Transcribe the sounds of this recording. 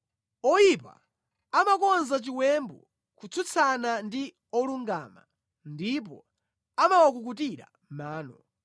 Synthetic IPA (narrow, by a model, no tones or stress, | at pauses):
ɔjipa̰ | amakɔnzat͡ʃiwɛmbɔ̰ | kut͡sʰut͡sʰanandi | ɔluŋɡa̰ːma̰ | ndip̬ɔ | amawak̬uk̬utiɾa̰ | maːnɔ